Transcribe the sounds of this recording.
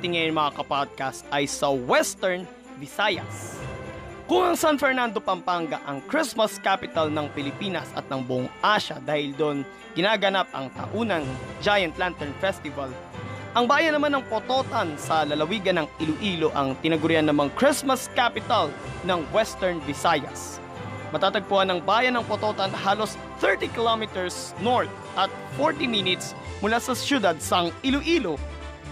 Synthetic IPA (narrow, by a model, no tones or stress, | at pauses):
t̪ɪŋɐjnmɐŋakɐpad̪̚kast̪ʔɐjsɐwɛst̪ɛɹn | vɪsajɐ̰s | kʊŋɐŋsanfɛɹnand̪o̞pɐmpaŋɡɐ̰ʔɐŋkɾismɐskapɪt̪ɐlnɐŋpɪlɪpiːnɐsɐ̰t̪̚nɐŋbʊʔoŋʔaʃɐ̰d̪aːhɪld̪on | ɡɪnaːɡɐnap̚ɐ̰ŋt̪ɐ̰ʔuːnɐŋd͡ʒajɐnt̪lant̪ɛɹnfɛst̪ɪvɐl | ʔɐŋbaːjɐnɐmanːɐŋpot̪o̞t̪ɐnsɐlɐlɐwiːɡɐnɐŋɪlʊʔiːloʔɐŋt̪ɪnɐɡʊɾɪjanːɐmɐŋkɹɪsmɐskapɪt̪ɐl | nɐŋwɛst̪ɛɹnbɪsajɐ̰s | mɐt̪aːt̪ɐɡ̚pʊhanɐŋbaːjɐnːɐŋpot̪ot̪ɐnɦaːlo̞s | θɛɹt̪ikɪlomɪt̪ɛɹs | noɹθ̚ | ʔɐt̪̚foɹt̪iminɪt̪s | mʊlasɐsjʊd̪ad̪̚sɐŋɪlʊʔiːlo